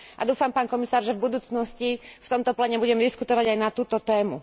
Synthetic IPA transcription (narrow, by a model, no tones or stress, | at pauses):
ʔad̪uːfampaːnkɔmisaːɾʒɛvbud̪uːt͡snɔscift̪ɔmt̪ɔplɛɲɛbuɟɛmd̪iskut̪ɔʋaɟajnat̪uːt̪ɔt̪ɛːmṵ